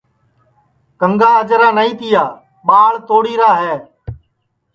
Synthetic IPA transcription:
kəŋɡaːəd͡ʒɾaːnəĩːt̪ɪjaː | ɓaːɭt̪oːɽiːɾaːɦɛː

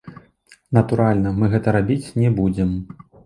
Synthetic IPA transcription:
nɐt̪uɾalʲnɐmɨɣɛt̪ɐɾabʲit͡sʲnʲɛbud͡zʲɛm

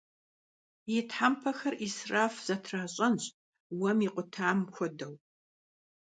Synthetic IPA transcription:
jɪtʰħampʰɐxɐrisraːfz̥ɐtʰraːɕʼɐnɕʼ | wɐmiːqʷʼʊtʰaːmxʷɔdɐw

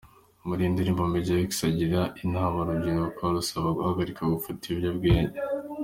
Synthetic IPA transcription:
muɾindiɾimbombeɟaeksaɟiɾaʔinhaːmaɾubɟinokaɾusaβaɡuhaɡaɾikaɡufutibɟabɡeːɲa

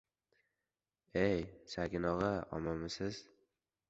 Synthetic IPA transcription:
ejsakʲɪnɒʁɨɒ̰mamɪsɪz̥

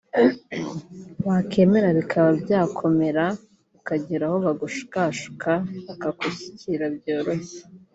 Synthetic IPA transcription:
βakʰe̞ːme̞ɾaβikʰaβabjaːkʰo̞me̞ɾa | βikaɟiɾaho̞βaɡuʃu̥kaʃu̥kʰaβakakosi̥ciɾabjo̞ːɾose̥

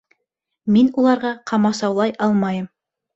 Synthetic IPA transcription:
minulˠɑɾʁɑqʰɑmɑsɑwlˠɑjʔɑlˠmɑjɤm

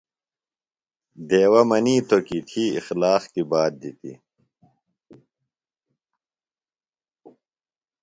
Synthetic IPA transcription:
d̪eːwɐmɐniːt̪okit̪ʰiːixlaːxt̪ibaːd̪̚d̪it̪ḭ

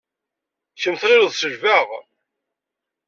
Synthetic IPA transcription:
çəmθʁɪɾuðsəʒvaʁ

